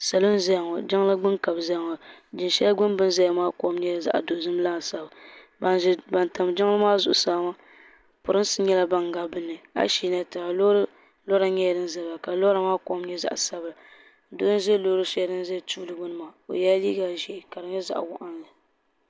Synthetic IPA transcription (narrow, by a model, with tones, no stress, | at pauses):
sa˨lo˦n˦za˦˨ŋɔ˨d͡ʒɪ˦ŋ˦la˦ɡ͡bɨ˦nka˨bza˦˨ŋɔ˨d͡ʒɪ˨nʃɛ˦ja˦ɡʊ˦nbɨ˦nza˦ja˦maː˦ko˦m˦ɲɛ˦a˨za̰˦ʔdo˨zɨ˦m˦laː˦˨sa˨ba˨ | ba˨˦ba˨nta˨m˨d͡ʒɪ˦ŋ˦la˦maː˦zʊ˨ʔʊ˨saː˨˦ma˦ | pʊ˨ɾɨ˦n˦sɨ˦ɲɛ˦la˦ba˦ŋɡa˦bɨ˦nːɨ˨a̰˦ʃi˦na˦tɨ˨a˨˦ | lɔ˦ɾa˦ɲɛ˦jɛ˨dɨ˦n˦za˨ba˨ka˨lo˦ɾa˨maː˦ko˦m˦ɲɛ˦za̰˦ʔa˨sa˦bɨ˨la˨ | do˦zɛ˦lo˦ɾɨ˦ʃɛ˦dɨ˦n˦zɛ˦˨tu˦lɨ˨ɡʊ˦nɨ˨maː˨o̰˨ja˦li˦ɡa˨ʒɛ˦˨ka˨ɾɨ˨ɲɛ˦za̰˦ʔwʊ˦ʔa˦nlɨ˨